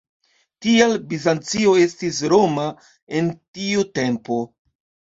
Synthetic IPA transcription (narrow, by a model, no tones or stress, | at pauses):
tielbizant͡sioe̞stis̬ɾo̞ma | e̞ntiute̞mpo̞